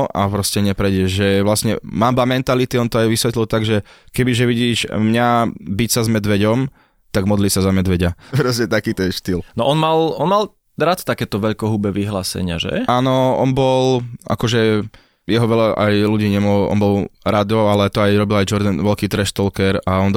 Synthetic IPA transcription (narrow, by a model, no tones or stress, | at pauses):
ʔapɾɔscɛɲɛpɾɛɟɛʒʒɛʋlasɲɛ̰mabamɛnt̪alit̪iɔnt̪ɔajʋisʋɛt̪lilt̪aɡʒɛkɛbiʒɛʋiɟiːʒmɲabicsazmɛd̪ʋɛɟɔm | t̪aɡmɔd̪liːsazamɛd̪ʋɛɟapɾɔscɛt̪akiːt̪ɔjɛʃt̪ilnɔʔɔnmalˠɔnmalˠ | ɾat̪t̪akɛːt̪ɔʋɛʎkɔɦubɛʋiɦla̰ːsɛ̰ɲɪa̰ʒɛ̰aːnɔɔ̰nbɔlʔa̰kɔʒɛ | jɛɦɔʋɛlaʔa̰jluɟiːɲɛmɔlʔɔ̰nbɔlɾad̪ɔalɛt̪ɔajɾɔbilajd͡ʒɔɾd̪anʋɛʎkiːt̪ɾɛʃt̪ɔlkɛɾaɔn